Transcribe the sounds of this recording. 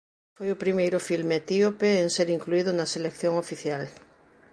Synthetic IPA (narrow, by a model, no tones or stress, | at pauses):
fojopɾimejɾʊfilmet̪iopeːŋseɾiŋkluiðonɐselekθjoŋofiθjal